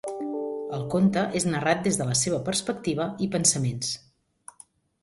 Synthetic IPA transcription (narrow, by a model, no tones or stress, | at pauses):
əlˠkont̪əʔeznərat̪̚d̪ezðələseβ̞əpəɾspək̚t̪iβ̞əipənsəmens